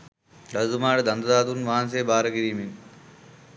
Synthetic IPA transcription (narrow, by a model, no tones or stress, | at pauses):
ɖɐzumaːɽed̪ɐnd̪ɐd̪aːt̪unʋaːns̬eːbaːɾəɡiɾiːmin